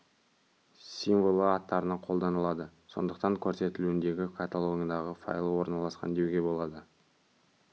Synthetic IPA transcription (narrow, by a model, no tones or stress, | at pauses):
sʲiɱvolˠəɑt̪ːɑɾənɑqʰo̞lˠd̪ɑnəlˠɑd̪əso̞̰nd̪əqt̪ɑŋkʲʰɵɾse̞t̪ɪluɪnd̪e̞ɡʲɪkʰat̪alˠoŋʲijd̪ɑʁəfa̰jlˠəwo̞ɾnɑlˠɑsqɑ̰nd̪e̞wɡʲe̞bo̞lˠɑd̪ə